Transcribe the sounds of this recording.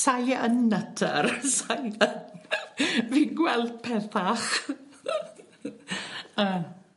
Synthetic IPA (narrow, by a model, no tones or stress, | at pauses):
sajənːətʰə̰rsajðən | viːnɡwɛlˠd̚pʰɛθaχ | ə